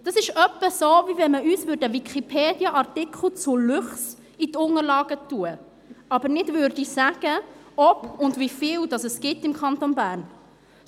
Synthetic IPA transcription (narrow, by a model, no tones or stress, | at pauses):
d̥ɑsɪʃœpːəsovivɛnməʔyːsvʏːɾdəvikʰipʰeːd̥jəʔɑrtɪkʰl̩ˠt͡sʊlʉχs | itʊŋəɾlɑːɡ̥ətuə | ɑbəɾnɪdvʋøːɾdisæɡ̥əɔpʊndvifiːldɑsəsɡ̥ɪtɪmkχɑntonbæːɾn